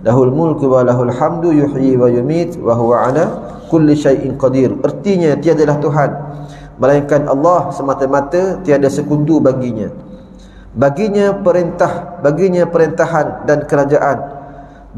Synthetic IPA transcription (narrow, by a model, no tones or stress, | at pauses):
laɦulmʊlkwalaɦulħamdujuħjiwajumit̪waɦuwaʕala | kʊlːʃajʔɪnqɑdiɾərt̪iɲãt̪iadalaht̪uɦan | məlajaŋkanʔɑ̰lːɑhsəmãt̪əmãt̪ət̪iadasəkundubaɡiɲã | baɡiɲãpəɾɛnt̪ahbaɡiɲãpəɾɛnt̪aɦandankəɾad͡ʒaʔan